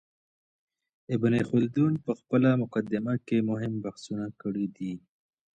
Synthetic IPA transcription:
ɪbnexʊld̪unpəxpəlamʊqad̪ɪmakemʊɦɪmbahsunakəɽid̪i

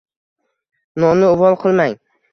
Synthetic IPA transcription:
nɒmnɪʊvɒlˠqʰɨlˠmaŋ

